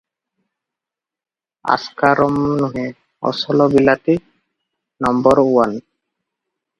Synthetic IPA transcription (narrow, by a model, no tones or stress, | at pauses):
a̰skaɾɔmnuɦe | ɔ̰sɔlɔbilat̪i | nɔmbɔɾuwan